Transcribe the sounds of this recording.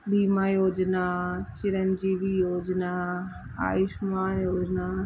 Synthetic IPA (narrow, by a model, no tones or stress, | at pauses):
biːmãjoːd͡ʒnat͡ɕɪɾənd͡ʑiːʋijoːd͡ʒna | a̰ːɪʃmãjoːd͡ʒna